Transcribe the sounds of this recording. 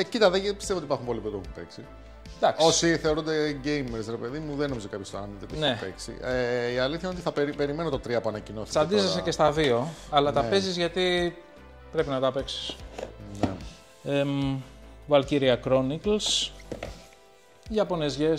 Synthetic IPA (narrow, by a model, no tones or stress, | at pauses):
cit̪ɐðepist̪e̞vot̪ipɐɾxumpo̞lipot̪opuumupe̞̰ksi | d̪ɐksosiθe̞o̞ɾund̪eɟejmeɾsɾe̞pe̞ðimuðenomizokɐpçost̪oɾɐnit̪et̪inepḛksḭʔeiɐliθçɐinot̪iθɐpeɾipe̞ɾime̞not̪o̞t̪ɾiɐpoɐnɐcinossɐnd̪isesece̞st̪ɐðio̞ɐlɐt̪ɐpe̞zizʝɐt̪i | pɾe̞pinɐt̪ɐpe̞ksi̥sne | e | vɐlciɾiɐkɾo̞nikls | ʝɐpo̞nezʝe